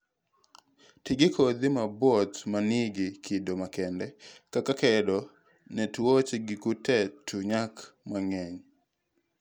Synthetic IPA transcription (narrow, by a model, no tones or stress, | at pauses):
tɪɡɪkʰod̪imabwɔt̪manɪɡɪkʰɪdomakɛndɛkakakɛdɔ | nɛtwot͡ʃɡɪkutɛtʰuɲakmaŋɛɲ